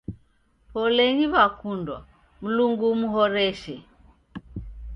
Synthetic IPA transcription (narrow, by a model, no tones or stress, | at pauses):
pɔlɛɲiβakundwa̰ | m̩luŋɡumuɦɔɾɛʃɛ